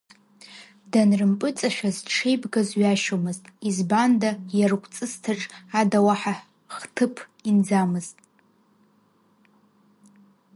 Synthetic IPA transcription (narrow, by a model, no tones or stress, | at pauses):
danrɨmpʼɨt͡sʼaʃᶣazʈ͡ʂʰejbɡazɥaʃomɨztʼizbandajarkʷʰʼt͡sʼɨstʰaʈ͡ʂʼadawaħa | χtʰɨpʰind͡zamɨztʼ